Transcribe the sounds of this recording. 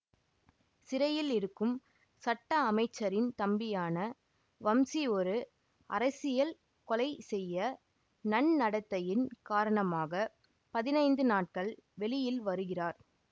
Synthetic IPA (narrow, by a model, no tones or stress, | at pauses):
sɪɾɐjɪlɪɾɯkːɯm | sɐʈːɐːmɐɪt͡ʃːɐɾɪnt̪ɐmbɪjaːnɐ | ʋɐmsiɔɾɯ | ɐ̰ɾɐsɪjɐl | kɔlɐɪsɛjːɐ | nɐɳnɐɽɐt̪ːɐjɪnkaːɾɐɳɐmaːɣɐ | pɐðɪnɐɪnd̪ɯnaːʈ̚kɐɭʋɛɭɪjɪlʋɐɾɯɣɪraːɾ